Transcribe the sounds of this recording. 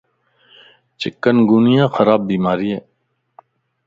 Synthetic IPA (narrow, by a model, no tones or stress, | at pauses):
t͡ʃɪkːənɡuːnɪjãːxəɾaːbːiːmaːɾiːɦeː